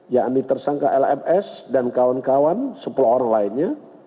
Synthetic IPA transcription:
jaʔnit̪ərsaŋkaʔɛlɛpɛsdankawankawansəpulaɦoɾaŋlaɪnɲa

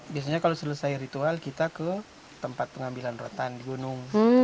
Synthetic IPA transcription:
bias̬aɲakalosələsajɾit̪ualkit̪akə | t̪əmpat̪̚pəŋambilanrot̪andiɡunʊŋ

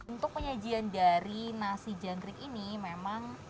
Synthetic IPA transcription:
unt̪ʊk̚pəɲad͡ʒiandaɾinasid͡ʒanɡɾɪkinimemaŋ

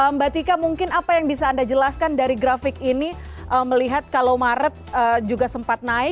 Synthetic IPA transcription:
əmbat̪ikamuŋkɪnapajaŋbisaːndad͡ʒəlaskandaɾiɡɾafɪkiniʔəːməliɦat̪̚kalawmaɾət̪̚əd͡ʒuɡasəmpat̪̚naɪk̚

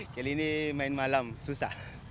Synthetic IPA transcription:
kelinemajnmalamsusa̰

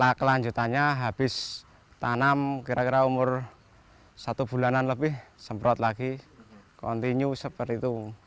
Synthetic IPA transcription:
lakəlaɲd͡ʒut̪aɲaɦab̥ɪs | t̪anamkiɾakiɾaumʊr | sat̪ub̥ṳlananləbɪhsəmpɾɔt̪laɡikɔ̰nt̪iɲusəpəɾit̪u

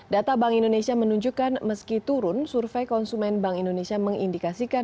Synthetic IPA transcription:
dat̪abaŋindonesiamənuɲd͡ʒukanməskit̪uɾʊnsurfɛjkɔnsumɛnbaŋindonesiaməŋḭndikasikan

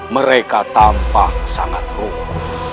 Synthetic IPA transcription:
məɾekat̪ampahsaŋat̪roku

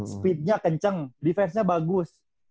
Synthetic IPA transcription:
səpit̪̚ɲakəɲt͡ʃəŋdifɛrsɲabaɡʊs

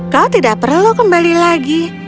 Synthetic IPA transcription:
kawt̪idaʔpərlukəmbalilaɡi

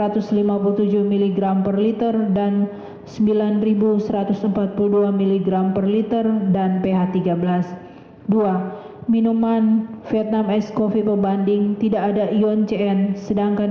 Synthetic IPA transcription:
ɾat̪ʊslimapulut̪ud͡ʒuhmiliɡɾampərlit̪ərdan | səmbilanribusəɾat̪ʊsəmpat̪̚puluduamiliɡɾampərlit̪ərdanpeɦat̪iɡabəlas | dua | minumanfiɛt̪̚namɛskofipəbandɪŋt̪idaːdaʔiɔnt͡ʃeɛnsədaŋkan

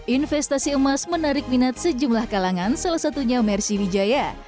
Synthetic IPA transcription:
ʔinfɛst̪asiəmasmənaɾɪk̚minat̪̚səd͡ʒumlahkalaŋansalahsat̪uɲamɛrsiwid͡ʒaja

